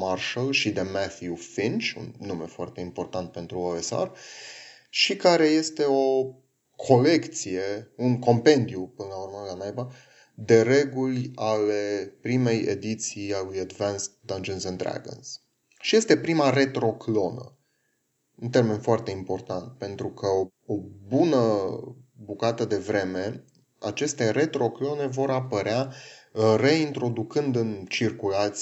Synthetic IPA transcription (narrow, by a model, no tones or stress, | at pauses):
marʃalʃid̪emaθjufint͡ʃṵnːume̞foart̪e̞impo̞rt̪ant̪̚pe̞nt̪ɾuoesa̰r | ʃikaɾe̞je̞st̪e̞o̞ | kʰo̞le̞kt̪sije̞unko̞mpe̞nd̪iupɨnəlaurməlanajva | d̪e̞ɾe̞ɡulʲale̞pɾime̞jḛd̪it̪sijalujad̪vanst̪d̪and͡ʒonsɛnd̪ɾa̰ɡo̰ns | ʃije̞st̪e̞pɾimare̞t̪ɾo̞klo̞nə̰ | unt̪e̞rme̞nfoart̪e̞impo̞rt̪ant̪̚pe̞nt̪ɾukʰəo | o̞bunə | bukat̪əd̪e̞vɾe̞me̞ | a̰t͡ʃe̞st̪e̞ɾe̞t̪ɾo̞klo̞ne̞vo̞ɾapəɾea | re̞int̪ɾo̞d̪ukɨnd̪ɨnt͡ʃirkulat̪s